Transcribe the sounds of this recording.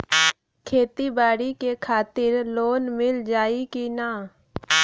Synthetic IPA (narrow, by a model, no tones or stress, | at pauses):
kʰeːt̪ibaːɽikekʰaːt̪ɪɾloːnmɪld͡ʒaːikinaː